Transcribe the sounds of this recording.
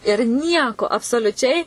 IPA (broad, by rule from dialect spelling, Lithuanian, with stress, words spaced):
ɪr ˈnʲiɛkoː ɐpsoːlʲʊˈt͡ʃʲɛɪ